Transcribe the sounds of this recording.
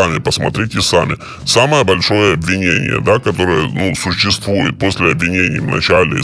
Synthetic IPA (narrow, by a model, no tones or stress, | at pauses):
amʲɪpəsmɐt̪ɾʲitʲɪsamʲɪ | saməjəbɐlʲʂo̞jəɐbvʲɪnʲenʲɪ̰jə̰d̪akɐt̪o̞ɾɨjənusʊɕːɪst̪vujɪt̪̚posʲlʲɪɐbvʲɪnʲenʲɪjvnɐ̰t͡ɕælʲɪ